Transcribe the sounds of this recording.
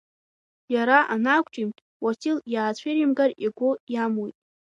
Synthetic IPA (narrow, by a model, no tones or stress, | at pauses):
jaɾaʔanakʷʰʼʈ͡ʂʼimtʼ | watʰiljaːt͡ɕʷʰerimɡariɡʷojamwojtʼ